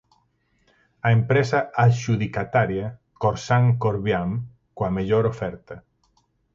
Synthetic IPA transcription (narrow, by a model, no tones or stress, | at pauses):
aempɾɛsaaʒuðikat̪aɾja | koɾsaŋkoɾβjam | kwameʎoɾofɛɾt̪ɐ